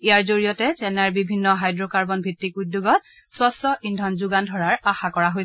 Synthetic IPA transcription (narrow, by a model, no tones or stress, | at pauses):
ijaɹzoɹijɔtɛt͡ʃɛnaɹbibʱinːɔɦajdɹɔkaɹbɔnbʱitːikudːoɡɔt̚ | swasɔindʱɔnzuɡandʱɔɹaɹaxakɔɹaɦoj